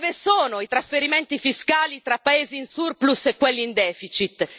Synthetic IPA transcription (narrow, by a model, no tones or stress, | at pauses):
vesoːnoit̪ɾasfeɾiment̪ifiskaːlit̪ɾapːaeːziːnsurplusekːwelːiːnd̪ɛːfit͡ʃit̪